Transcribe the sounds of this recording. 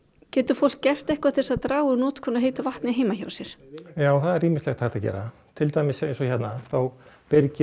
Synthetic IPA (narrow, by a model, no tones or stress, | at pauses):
cɛːt̪ʏɾ̥fowl̥kcɛr̥t̪ɛhkvat̪ʰɪlsaðt̪ɾaːwʏnɔːt̪kʰɔːnaɦeːjt̪ʏvaht̪nɪɦeːjmaça̰wsɛɾ̥jaːwθaðɛɾːiːmɪstlɛɣt̪ʰaːxt̪aðcɛ̰ːɾa | t̪ʰɪlt̪ajmɪsejnsɔçɛt̪naθawpɪɾcɪ